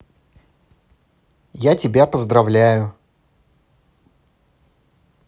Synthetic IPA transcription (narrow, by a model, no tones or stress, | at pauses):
jatʲɪbʲapəzd̪ɾɐvlʲæjʊ